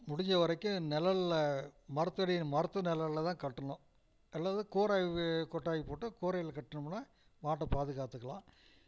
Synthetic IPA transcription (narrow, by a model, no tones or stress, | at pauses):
mʊɽɪɲd͡ʒɐʋɐɾɐɪkːɯ̃nɛlɐllɐmɐɾɯt̪ːɯɐɽɪmɐɾɐt̪ːɯnɛlɐɭlɐt̪ãːkɐʈːɐɳʊ̃ | ɛlːaːðɯkoːɾaːjikɔʈːaːjipoːʈːɯkoːɾɐjɪlɐkɐʈːɯnɯmnaː | maːʈːɐpaːðɯɣaːt̪ːɯkːɐɭã̰ː